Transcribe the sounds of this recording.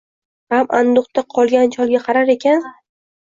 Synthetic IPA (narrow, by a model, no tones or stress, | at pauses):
ɾamand̪ʊqt̪aqʰɒlˠɡʲant͡ʃʰɒlˠɡʲaqʰɑɾaɾe̞kʲʰan